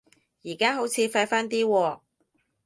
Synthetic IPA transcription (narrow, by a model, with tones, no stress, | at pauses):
jiː˨˩kaː˥ɦo˨˥wt͡sʰiː˨˧fa˧jfaː˥nt̪̬iː˥wɔː˧